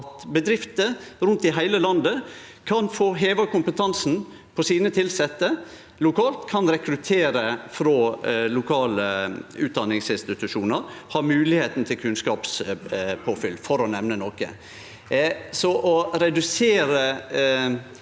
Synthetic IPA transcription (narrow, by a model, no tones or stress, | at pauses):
t̪bəd̪ɾɪft̪əɾʉnt̪ɪɦæɪləlɑnd̪əkʰɑnfoːɦeːʋəkʊmpət̪ʰɑnsn̩ | pʰɔsiːnət̪ʰɪlsɛt̪ːə | lʊkʰɑːlt̪kʰɑnɾɛkɾʉt̪ʰeːɾəfɾoːlʊkʰɑːləʉːt̪̚d̪ɑnɪŋsɪnst̪ɪt̪ʉʂuːnəɾhɑːɾmʉːlɪheːt̪n̩t̪ʰɪlkʰʉnskɑːpspʰoːfʏlːfɔɾɔnɛmnənɔkə̰ | sɔʔɔɾɛd̪ʉseːɾə